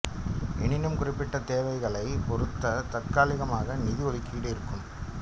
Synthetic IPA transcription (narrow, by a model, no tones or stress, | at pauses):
ɛɳɪnɯmkʊrɪpːɪʈːɐt̪eːʋɐɪɣɐɭɐɪpɔɾɯt̪ːɐt̪ɐkaːlɪɣɐmaːɣɐnɪðɪʋɔðɪkːiːɽɯɪɾɯkːɯm